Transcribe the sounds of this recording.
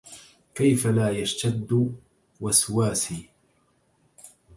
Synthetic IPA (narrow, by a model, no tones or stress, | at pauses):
kajfalaːjaʃt̪ad̪ː | waswaːsiː